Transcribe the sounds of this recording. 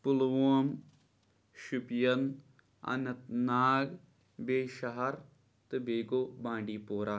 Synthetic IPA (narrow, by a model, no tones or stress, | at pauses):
pulʋoːm | ʃupjɐn | ɐ̰nɐt̪naːɡ | beːʃɐɦɐɾ | t̪ɨbeːɡoːbãːɳɖiːpoːɾaː